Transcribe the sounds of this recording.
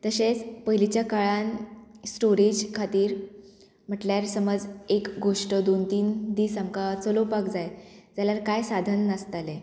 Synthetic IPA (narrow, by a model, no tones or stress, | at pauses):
t̪əɕet͡spəɦilit͡ɕjakaɭansʈoɾid͡ʑkʰat̪iːɾ | m̤əʈljaɾsəməd͡zekɡoʂʈəd̪ont̪iːnd̪iːsamkat͡səlopakd͡zajd͡zaljaɾkajsad̪ʱənːəst̪ale